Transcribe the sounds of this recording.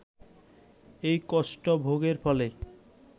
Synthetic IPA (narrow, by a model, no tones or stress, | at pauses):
ejkɔsʈobʱoɡeɾfɔle